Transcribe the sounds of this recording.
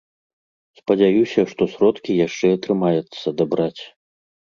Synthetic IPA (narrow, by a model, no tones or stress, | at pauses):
spɐd͡zʲajusʲɐʂt̪ɔsɾɔt̪kʲijaʂt͡ʂɛɐt̪ɾɨmajɛt̪sːɐd̪abɾat͡sʲ